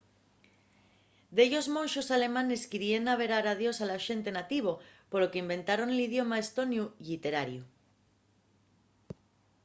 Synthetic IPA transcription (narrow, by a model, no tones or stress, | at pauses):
d̪eʎo̞zmõ̞nʃosale̞mãneskiɾienaβ̞e̞ɾaɾaðjo̞salaʃe̞nt̪e̞nat̪iβ̞o̞polo̞ke̞imbẽ̞nt̪aɾo̞nelið̞jo̞maest̪o̞njuʎit̪e̞ɾaɾju